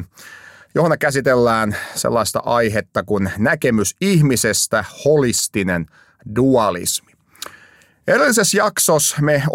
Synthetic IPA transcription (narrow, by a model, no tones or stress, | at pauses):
johonekːæsit̪elːæːnsḛlːɑist̪ɑ̰ʔɑjɦet̪ːɑkunnækemysihmisest̪æholist̪inen | duɑlḭsmi̥ | e̞ɾilːise̞sjɑksosme